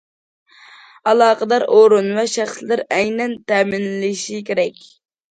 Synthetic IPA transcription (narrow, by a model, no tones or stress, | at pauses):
ɑlˠɑːqəd̪ɑɾʔoɾunvɛʃæχslɪɾɛjnɛnt̪ɛmɪnlɪʃikʲʰeɾɛkʲ